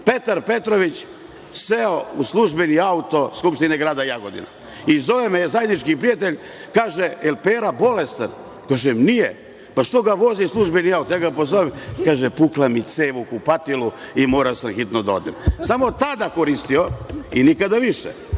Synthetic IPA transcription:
pe̞t̪aɾpe̞t̪ɾoʋit͡ɕ | seouslˠuʒbeniaut̪o̞skupʃt̪ineɡɾaːd̪ajaɡo̞d̪ḭna̰ | izo̞ʋemezajed̪nit͡ʃkipɾiat̪̬eʎʲ | kaːʒeelpeːɾabo̞lest̪an | kaːʒemnije | paʃt̪o̞ɡaʋo̞zislˠuʒbeniaut̪ojaːɡapozoʋemkaːʒepuklamit̪seːʋukupat̪ilu | imo̞ːɾaosamxit̪nod̪ao̰d̪emsamo̞t̪ad̪akoɾist̪ioinikad̪aʋiʃɛ̰

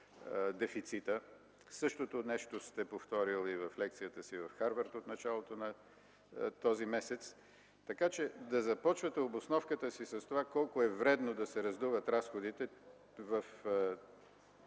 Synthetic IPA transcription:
d̪ɛfit̪sit̪ə | sɤʃt̪ot̪onɛʃt̪ost̪ɛpoft̪ɔɾilˠivɐflɛk̚t̪sijət̪əsivɐfxaɾvəɾt̪ot̪nɐt͡ʃalˠot̪onɐ | t̪ɔzimɛsɛt̪s | t̪ɐkat͡ʃɛd̪ɐzɐpɔt͡ʃvət̪ɛobosnɔfkət̪əsisɐst̪ovakɔlˠkʊɛvɾɛd̪nod̪ɐsɛɾɐzd̪uvət̪ɾasxod̪it̪ɛ | vəf

